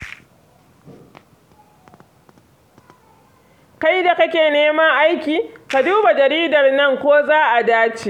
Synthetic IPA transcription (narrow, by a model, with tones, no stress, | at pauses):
ka˦jda˨kɐ˦kʲeː˨neː˦mɐ˦ŋʔa˦jkʲiː˨ka˨duː˦ba˨d͡ʒɐ˨ɾiː˦dɐ˨rnɐ˦ŋkʷoː˦zaː˦ʔa˨daː˦t͡ʃeː˨